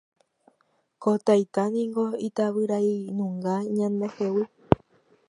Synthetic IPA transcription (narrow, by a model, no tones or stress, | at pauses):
kot̪ajt̪anĩŋɡoit̪aβɨɾainũŋɡaɲãnd̪ehewɨ